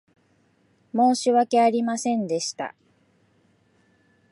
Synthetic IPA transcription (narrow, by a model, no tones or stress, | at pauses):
mo̞ːɕiβake̞aɾʲimasẽ̞nd̪e̞ɕi̥t̪a̰